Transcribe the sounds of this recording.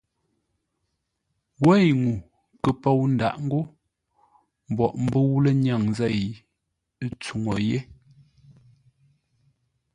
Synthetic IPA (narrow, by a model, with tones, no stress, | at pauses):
wɛ˦˨jŋu˨ | kə˨po˦˨wn̩˨da̰˨ʔŋ̩˦ɡo˦ | m̩˨bɔ˨ʔm̩˦bə˦wu˦lə˦ɲa˦˨ŋzɛ˦˨j | t͡su˨ŋo˨je˦